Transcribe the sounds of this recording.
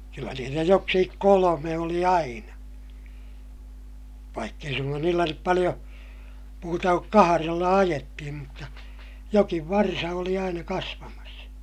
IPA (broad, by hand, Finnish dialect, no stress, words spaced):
kylːæ niːtæ joksikik kolome oli ɑinɑ ʋɑikː ei suŋkɑn niːlːæ nyp pɑlij̆o muːtɑ kuk kɑhɑrelːɑ ɑjetːihim mutːɑ jokiʋ ʋɑrsɑ oli ɑinɑ kɑsʋɑmɑs